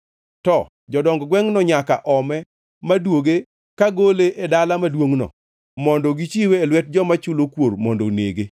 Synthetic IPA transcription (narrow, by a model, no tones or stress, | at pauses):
tɔ | d͡ʒɔdɔŋɡɔɡwɛŋnɔɲakaʔɔmɛ | madwoɡe | kaɡoleʔedalamadwoŋnɔ̰ | mɔndɔɡit͡ʃiweːlwɛt̚d͡ʒɔmat͡ʃulokwormɔndo̰nḛɡe